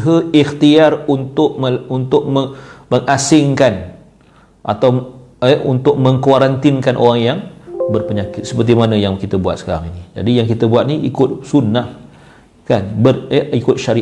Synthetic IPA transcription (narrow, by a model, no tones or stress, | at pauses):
ɦəixt̪iarunt̪ʊk̚məunt̪ʊk̚məməŋasɪŋkan | ʔa̰t̪aw | əunt̪ʊk̚mə̃ŋkwaɾant̪ɪnkanʔo̰ɾaŋjaŋbərpəɲakɪt̪̚sə̥pərt̪imanə̃jaŋkit̪əbua̰t̪̚sə̥kaɾaŋinid͡ʒa̰dijaŋkit̪əbuat̪̚niḭkʊt̪̚sunːah | kanbərəikʊt̪̚ʃaɾi